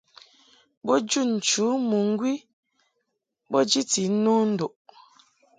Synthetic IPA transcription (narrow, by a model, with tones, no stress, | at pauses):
bɔ˦d͡ʒu˦˨n̩˨t͡ʃu˨˦mu˨ŋ̩˦ɡwi˦ | bɔ˦d͡ʒi˦ti˨˦nɔ˦n̩˦do˨ʔ